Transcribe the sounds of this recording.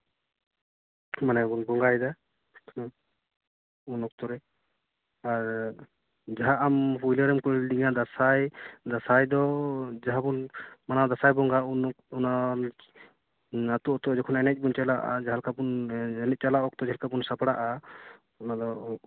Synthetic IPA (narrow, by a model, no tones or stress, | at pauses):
manɛbunbɔŋɡajd̪a | unɔk̚t̪ɔɾɛ | aɾ | d͡ʒaɦaʔampujləɾɛmkuɽildiŋad̪asajd̪asajd̪ɔd͡ʒaɦabunmanad̪asajbɔŋɡaunɔk̚ɔna | at̪ut̪ɔd͡ʒɛkʰɔnɛnɛc̚ˀbunt͡ʃalaʔa̰d͡ʒaɦalkabunɛnɛc̚t͡ʃalaʔɔk̚t̪ɔd͡ʒaɦalkabunsapɽaʔa | ɔnad̪ɔ